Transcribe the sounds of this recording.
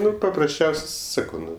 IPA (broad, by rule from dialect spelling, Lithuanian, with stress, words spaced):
ˈnʊ pɐprɐsʲˈt͡ʃʲɛʊsʲ ˈsɑːkɐʊ ˈnʊ